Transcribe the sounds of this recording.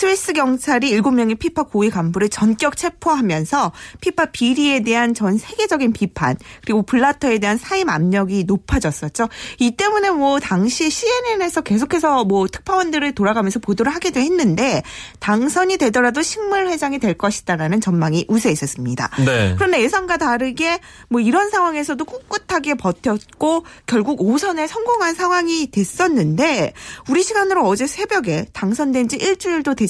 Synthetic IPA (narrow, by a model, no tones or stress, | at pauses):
sʰɯis͈ɯɡjʌŋt͡ɕʰaɾiiɭɡomjʌŋepʰipʰak͈oiɡambuɾɯt͡ɕʌnk͈jʌk̚t͡ɕʰe̞pʰoɦamjʌnsʰʌpʰipʰapiɾie̞de̞ɦant͡ɕʌnsʰe̞ɡe̞d͡ʑʌɡinpipʰa̰nkɯɾiɡopuɭːatʰʌe̞de̞ɦansʰaima̰mɲʌɡinopʰad͡ʑʌs͈ʌt̚t͡ɕ͈oit͈e̞mune̞mwʌtaŋɕʰiɕʰie̞ne̞ne̞sʰʌke̞s̬ʰokʰe̞sʰʌmwʌtʰɯ̥k̚pʰawʌndɯɾɯɭtoɾaɡamjʌnsʰʌpodoɾɯɭɦaɡidweɦe̞nːɯnde̞taŋsʰʌɲidwe̞dʌɾadoɕʰiŋmuɭɸwe̞d͡ʑaŋidwe̞ɭk͈ʌɕʰi̥daɾanɯnt͡ɕʌnmaŋiʔusʰeis͈ʌs͈ɯmɲida̰ekɯɾʌnde̞ːsʰʌnɡataɾɯɡe̞ | mwʌiɾʌnsʰaŋwaŋe̞sʰʌdok͈uk͈ɯtʰaɡe̞pʌtʰjʌt̚k͈okjʌɭɡuɡosʰʌne̞sʰʌŋɡoŋɦansʰaŋɦwaŋitwe̞s͈ʌnːɯnde̞uɾiɕʰiɡanɯɾoʌd͡ʑe̞sʰe̞bjʌɡe̞taŋsʰʌndwend͡ʑiʔiɭt͡ɕ͈uiɭdodwe̞